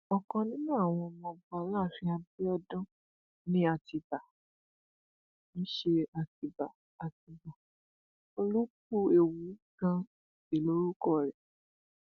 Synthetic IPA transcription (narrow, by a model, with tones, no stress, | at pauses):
ɔ˨kɔ̃˧nĩ˦nũ˦a˦˨w̃ɔ̃˧mɔ̃˧ba˨˦la˦˨fĩ˧˦a˧bi˦ɔ˧dɔ̃˦ | nĩ˦a˧˨ti˧ba˨ | ñ̩˦ʃe˧a˧ti˧ba˨ | a˨ti˨˧ba˨ | o˧lu˦k̚u˦e˨wu˨˦ɡã˧˨ | e˨lo˦ɾu˦kɔ˦˨ɾɛ˨